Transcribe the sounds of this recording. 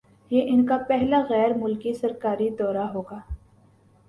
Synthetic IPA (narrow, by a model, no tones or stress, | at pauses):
jeːʔɪnkapɛɦlaɣɛːɾmʊlkisɐɾkaːɾid̪ɔːɾaɦoːɡaː